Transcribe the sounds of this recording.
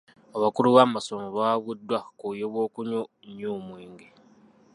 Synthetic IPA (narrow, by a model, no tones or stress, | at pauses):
oβakuluβamasomoβaβudːwakujeβwo̞ːkuɲo | ɲːuːmwiːŋɡi